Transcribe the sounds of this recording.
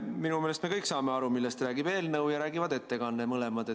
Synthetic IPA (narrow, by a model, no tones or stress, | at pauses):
minume̞ːlest̪me̞kɤjkːsɑːme̞ɑɾumilːest̪ræːɡ̥ib̥e̞ːlnɤwjɑɾæːɡ̥ivɑd̪e̞t̪ːe̞kɑnːemɤlemɑd̪̥e